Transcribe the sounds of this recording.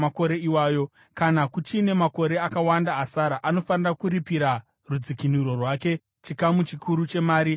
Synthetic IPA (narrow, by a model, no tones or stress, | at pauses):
mako̞ɾe̞iwaːjo̞ | kanakut͡ʃine̞mako̞ɾe̞akawandaːsaɾaʔano̞fanirakuɾipiɾa | rud͡zikiniɾo̞rwaːke̞ | t͡ʃikamut͡ʃikʰuɾut͡ʃe̞maːɾi